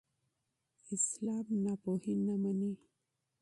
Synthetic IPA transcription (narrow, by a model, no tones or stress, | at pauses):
islaːmnapohinːaməni